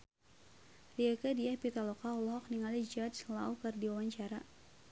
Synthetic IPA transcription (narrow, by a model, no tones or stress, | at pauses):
riakadiahpit̪alɔkaɔlɔɦɔk̚niŋalid͡ʒasla̰ukərdiwawaɲt͡ʃaɾa